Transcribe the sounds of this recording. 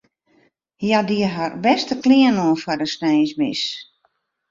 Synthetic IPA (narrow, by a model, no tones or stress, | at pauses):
jadiəɦarbɛstəkliənoənfɔdəsnɛjsmɪ̰s